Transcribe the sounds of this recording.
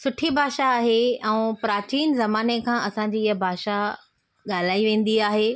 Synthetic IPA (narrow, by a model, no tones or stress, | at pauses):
sʊʈʰibʱaːʃaːɦeɛ̃ːpɾaːt͡ɕiːnzɐmaːnekʰãːʔɐsãɲd͡ʑiːɪɦəbʱaːʃa | ɠaːl̤aːiʋẽːn̆d̪iaːɦeː